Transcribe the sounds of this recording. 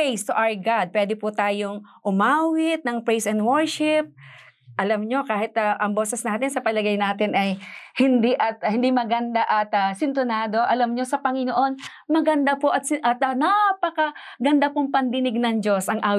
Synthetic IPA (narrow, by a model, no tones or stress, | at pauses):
jst̪ʊʔawɹɡad̪̚pwɛːd̪ɪpʊt̪aːjoŋʔʊmaːwɪt̪̚nɐŋpɹɛjsɐnd̪wɛɹʃɪp̚ | ʔɐlɐmɲo̞kaːhɪt̪ɐʔɐŋbo̞ːsɛsnaːt̪ɪnsɐpɐlɐɡɐjnaːt̪ɪnʔɐjhɪnd̪iʔɐt̪hɪnd̪imɐɡɐnd̪aʔɐt̪ɐsɪnt̪ʊnaːd̪o̞ʔɐlɐmɲo̞sɐpɐŋɪnoʔo̞n | mɐɡɐnd̪apoʔɐt̪̚sɪʔɐt̪ɐnapɐkɐɡɐnd̪apʊŋpɐnd̪ɪnɪɡ̚nɐŋd͡ʒo̞sʔɐŋʔaː